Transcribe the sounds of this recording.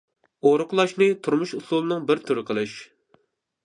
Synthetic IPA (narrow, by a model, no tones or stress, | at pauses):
oɾʊqlˠɑʃnɨt̪ʰuɾmuʃuslˠulˠɨnɨŋbɪɾt̪ʰyɾɪqʰəlˠɨʃ